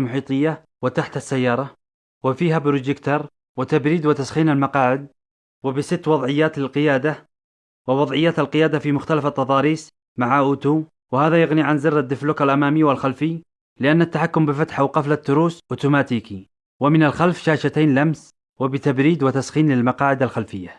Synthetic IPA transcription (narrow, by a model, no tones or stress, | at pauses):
lmʊħiːt̪ˤɨjːa | wɪt̪aħt̪asːajːɑːɾˤɑ | wɪfiːɦabɾʊd͡ʒɪkt̪ɑɾˤ | wɪt̪abɾiːd̪wɪt̪asxiːnalmɑqɑːʕɪd̪̚ | wɪbɪsɪt̪ːwɑðˤʕɪjːaːt̪lɪlqɪjaːd̪a | wɪwɑðˤʕɪjːaːt̪alqɪjaːd̪afimʊxt̪alafat̪ːɑðˤɑːɾiːs | maʕaʔʊːt̪uː | wɪhaːðajɪɣniʕanzɪrːad̪ːɪflʊːkalʔamaːmijwɪlxalfɪj | lɪʔanːat̪ːaħakːʊmbɪfat̪ħawqɑflat̪ːʊɾuːsʔʊt̪umaːt̪iːki | wɪmɪnalxalfʃaːʃat̪eːnlams | wɪbɪt̪abɾiːd̪wɪt̪asxiːnlɪlmɑqɑːʕɪd̪alxalfɪjːa